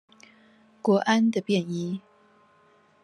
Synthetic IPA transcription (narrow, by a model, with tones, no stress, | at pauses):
kwɔ˧˥ʔa˦˥nd̪ə˨pjɛ˥˨ni˥